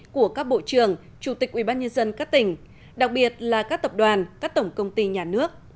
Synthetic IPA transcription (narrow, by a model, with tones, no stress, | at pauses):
ku˧˩əkaː˦˥k̚ɓo̰˧˨t͡ɕɨ˨˩əŋ | t͡ɕu˧˩t̪ï˨˩k̟̚ʔi˧˩ɓaː˧nɲə˧nzə˧nkaː˦˥k̚t̪ï˨˩ŋ̟ | ɗa˨˩k̚ɓi˨˩ət̚laː˨˩kaː˦˥kt̪ə˨˩p̚ɗwaː˨˩nkaː˦˥k̚t̪ə˧˩wŋ͡mkə˧wŋ͡mt̪i˧ɲaː˨˩nɨ˦˥ək̚